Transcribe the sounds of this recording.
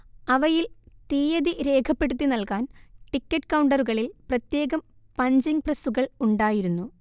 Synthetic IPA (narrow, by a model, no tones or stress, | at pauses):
ɐʋɐjilt̪iːjɐðiɾe̞ːkʰɐpːeɽut̪ːinɐlkaːnʈikːɐʈːkɐwɳɖɐruɣɐɭilprɐt̪je̞ːɣɐm | pɐɲd͡ʑiŋprɐsuɣɐɭuɳɖaːjiɾunːu